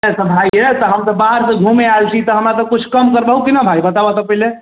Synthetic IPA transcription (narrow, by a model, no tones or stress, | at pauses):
ɛsəbʱajet̪əɦəmt̪ɔbaɾsəɡʱumealt͡ʃʰit̪əɦəmɾat̪əkut͡ʃʰkəmkəɾbəɦukinabʱajbət̪abat̪əpəile